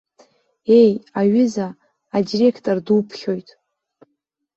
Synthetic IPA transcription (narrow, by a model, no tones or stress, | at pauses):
e̞jaɥɪzaː | dire̞kʰtʼordupʰχʲo̞jtʼ